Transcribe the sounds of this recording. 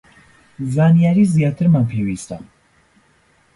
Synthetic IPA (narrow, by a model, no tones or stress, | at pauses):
zanijaɾizijat̪ʰəɾmampʰiwist̪a̰